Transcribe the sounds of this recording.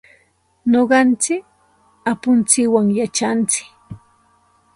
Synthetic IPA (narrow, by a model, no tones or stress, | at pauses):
noɢɑnt͡sɪk | apʊnt͡sɪkwaŋjat͡ʃant͡sɪ̥k